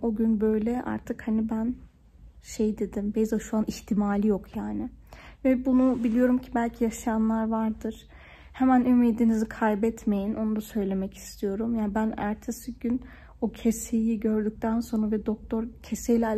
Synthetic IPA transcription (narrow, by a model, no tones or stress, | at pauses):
o̞ɟynbø̞jlʲɛʔa̰ɾt̪ʰɯkhanibæn | ʃe̞jd̪e̞d̪imbezaʃuaniçt̪ʰimaːlʲijokʰjaːnɪvɛbunubilʲijo̞ɾumcʰibælʲcʰijaʃajanlˠaɾvaɾd̪ɯɾ̥ | hemænymiːd̪inizikʰajbɛt̪me̞jino̞nud̪asø̞jlʲe̞mɛci̥st̪ʰijo̞ɾumjaːnbænæ̰ɾt̪ʰesiɟyn | ocʰesejiɟø̞ɾd̪yc̚ʲt̪ʰænso̞nɾavɛd̪ok̚t̪ʰo̞ɾcʰe̞sejlʲɛ